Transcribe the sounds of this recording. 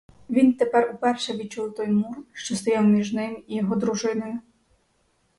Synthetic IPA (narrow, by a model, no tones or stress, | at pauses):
ʋʲint̪epɛrupɛrʃɛʋʲit͡ʃuwˠt̪ɔjmurʃt͡ʃɔst̪ɔjawmʲiʒnɪmijɔɦɔd̪ɾuʒɪnɪmɪ